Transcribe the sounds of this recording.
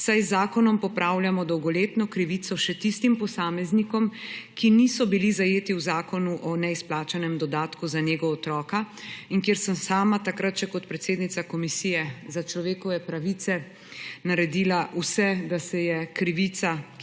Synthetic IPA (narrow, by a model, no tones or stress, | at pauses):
sajzːaːkɔnɔmpɔpɾaːwljamɔd̪ɔwɡɔleːt̪nɔkɾiʋit̪sɔʃɛt̪ist̪impɔsaːmɛznikɔmkinisɔbilizajeːt̪iwzaːkɔnuʔɔnɛisplaːt͡ʃanɛmd̪ɔd̪aːt̪kuzaneːɡɔːt̪ɾɔːkaiŋkjeːɾsəmsaːmat̪akɾat̪̚t͡ʃɛkɔt̪pɾɛt̪seːd̪nit̪sakɔmisiːjɛzat͡ʃlɔʋeːkɔʋɛpɾaʋit̪sɛ | naɾɛd̪iːlausɛd̪asɛjɛkɾiʋit̪sa